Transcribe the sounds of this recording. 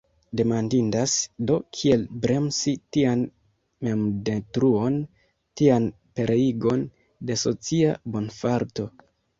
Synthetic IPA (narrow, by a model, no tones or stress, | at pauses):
de̞mandindasdo̞kʰie̞lbɾe̞msitian | me̞mdetɾuo̞n | tian | pe̞ɾʔeiɡo̞n | de̞so̞t͡siabo̞nfaɾto̞